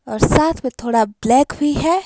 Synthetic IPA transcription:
ɔːɾsaːt̪ʰmẽt̪ʰoːɽablɛːkbʱiɦɛː

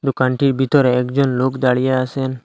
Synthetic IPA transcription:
d̪ukaɳʈibʱit̪ɔɾeːkd͡ʒɔnlokd̪aɽijaasɛn

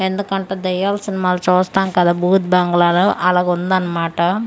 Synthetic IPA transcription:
end̪ɐkɐɳʈɐd̪ɐjaːlsɪnɐmaːlɐt͡ʃoːst̪aːŋkad̪abuːt̪̚baːŋɡɐlaːlɐʔɐlɐɣɔnd̪aːnɐmaːʈːɐ

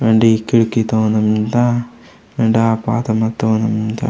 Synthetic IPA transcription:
ʋeːɳɖikːiɽukːit̪oːnɐmnd̪a | ʋeːɳɖaːpa̰ːt̪ɐmɐt̪ːoːnɐmd̪a̰

